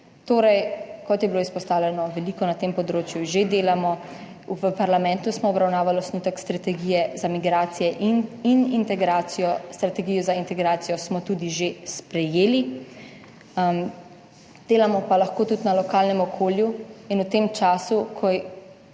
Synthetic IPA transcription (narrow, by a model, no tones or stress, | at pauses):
t̪oːɾɛjkɔt̪jɛbiloːispɔst̪aːwlʲɛnɔʋɛliːkɔnat̪empɔd̪ɾoːt͡ʃjuʒed̪eːlamɔ | uʋəpaɾlamɛ̃nt̪usmɔːbɾawnaːʋalɔsnut̪ɛkst̪ɾat̪ɛɡiːjɛzamiɡɾaːt̪sijɛʔininint̪ɛɡɾaːt̪sijɔst̪ɾat̪ɛɡijɔzaint̪ɛɡɾaːt̪sijɔsmɔt̪ud̪iʒespɾɛjeːli | m | d̪̥eːlamɔpalaxkoːt̪ut̪nalɔkaːlnɛmɔkʰoːljuinut̪emt͡ʃaːsukʰɔj